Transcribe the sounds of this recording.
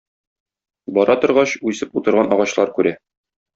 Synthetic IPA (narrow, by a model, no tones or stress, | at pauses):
bɒɾɑt̪ŏɾʁɑɕʉjsɘput̪ɤ̆ɾʁɑnɒʁɑɕlˠɑɾkʉɾæ